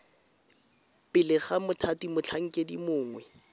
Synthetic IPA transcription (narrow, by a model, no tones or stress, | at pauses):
pɪlɪχamʊtʰatimʊt͡ɬʰaŋ̩kʼedimʊːŋwɛ